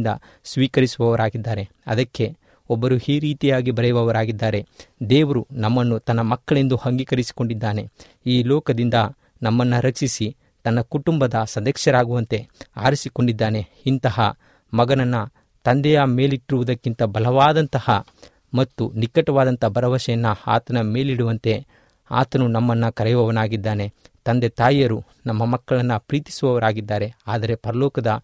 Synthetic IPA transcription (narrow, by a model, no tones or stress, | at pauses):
d̪ɐ̰ | sʋiːkɐɾisuʋɐʋɐɾaːɡid̪ːaːɾe̞ | ɐ̰d̪ɐkːe̞ | ɔbːɐɾuiːɾiːt̪ijaːɡibɐɾɛjuʋɐʋɐɾaːɡid̪ːaːɾe̞d̪eːʋɐɾunɐmːɐnːut̪ɐnːɐmɐkːɐɭe̞nd̪uhɐŋɡikɐɾisi̥ko̞ɳɖid̪ːaːne̞ | iːlɔːkɐd̪ind̪ɐ | nɐmːɐnːɐɾɐksisi | t̪ɐnːɐkuʈumbɐd̪ɐsɐd̪ɐkʂjɐɾaːɡuʋɐnt̪e̞a̰ːɾisiko̞ɳɖid̪ːaːne̞int̪ɐɦɐ̰ | mɐɡɐnɐnːɐ | t̪ɐnd̪ɛjame̞ːliʈːɾuʋud̪ɐkːint̪ɐbɐlɐʋaːd̪ɐnt̪ɐhɐ | mɐt̪ːunikɐʈɐʋaːd̪ɐnt̪ɐbɐɾɐʋɐʃɐjɐnːɐa̰ːt̪ɐnɐme̞ːliɽuʋɐnt̪e̞ | a̰ːt̪ɐnunɐmːɐnːɐkɐɾɛjuʋɐʋɐnaːɡid̪ːaːne̞t̪ɐnd̪e̞t̪aːjjɐɾu | nɐmːɐmɐkːɐɭɐnːɐpɾiːt̪i̥suʋɐʋɐɾaːɡid̪ːaːɾe̞aːd̪ɐɾe̞pɐɾɐlɔːkɐd̪ɐ